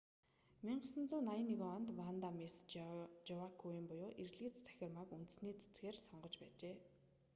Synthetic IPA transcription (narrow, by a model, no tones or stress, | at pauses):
miɴɢə̆sə̆nt͡sʊːnajə̆nːeɣeɔnt̪mant̪amest͡ɕʊwakʰujĭmpʊjʊːʔerɮiːt͡st͡sʰæ̥xʲɪ̆rmakunt̪̆sniːt͡sʰe̥t͡sɡeːrsɔɴɢɞ̆t͡ɕpæːt͡ɕeː